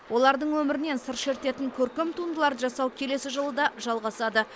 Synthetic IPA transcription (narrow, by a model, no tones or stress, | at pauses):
wʔo̞lˠɑɾd̪əɴwɵmɪɾɪne̞nsəɾʃe̞ɾt̪e̞t̪ɪŋkʲʰɵɾkʲemt̪ʰund̪əlˠɑɾəʒɑsɑwkʲʰe̞le̞sɪʒəlˠəd̪ɑʒɑlˠʁɑsɑd̪ə